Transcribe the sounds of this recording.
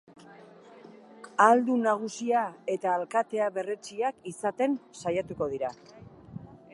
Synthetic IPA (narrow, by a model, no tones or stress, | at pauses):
ald̪unaɣ̞usiae̞t̪aːlkat̪e̞aβe̞ret͡siakisat̪e̞nsajat̪uko̞ð̞iɾa